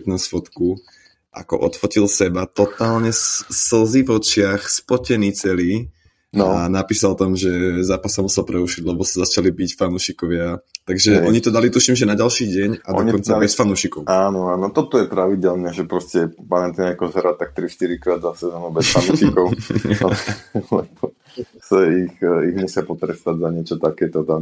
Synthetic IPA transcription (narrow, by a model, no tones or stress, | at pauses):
t̪nasfɔt̪ku | ʔa̰kɔ̰ʔɔt̪fɔcilsɛbat̪ɔt̪aːlɲɛssl̩zivɔt͡ʃɪaxspɔcɛniːt͡sɛliː | nanapiːsalt̪amʒɛzaːpasːamusɛlpɾɛuʃiɟlɛbɔsazat͡ʃalibicfanuːʃikɔʋɪat̪aɡʒɛʔɔɲit̪ɔd̪alit̪uʃimʒɛnaɟalʃiːɟɛɲad̪ɔɲkɔnt͡sabɛsfanuʃikɔʊaːnɔaːnɔt̪ɔt̪ɔjɛpɾaʋiɟɛlnɛʒɛpɾɔscɛpaɾɛnt̪iɲakɔzɾat̪ak̚t̪ɾiʃt̪iɾikɾaːd̪zasɛzɔːnubɛsfanuʃikɔʊ | lɛbɔ | saixiɣɲɛsɪapɔt̪ɾɛst̪aɟzaɲɪɛt͡ʃɔt̪akɛːt̪ɔt̪a